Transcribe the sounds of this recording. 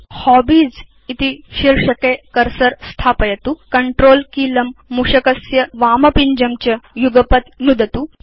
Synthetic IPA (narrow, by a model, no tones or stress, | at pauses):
hɔbiːd͡z | it̪iɕiɾʂɐkekɐɾsɐɾst̪ʰaːpɐjɐt̪ukɐɳʈɾoːlkiːlɐmːuʂɐkɐsjɐʋaːmɐpiɲd͡ʑɐmt͡ɕɐjuɡɐpət̪nud̪ʱɐt̪u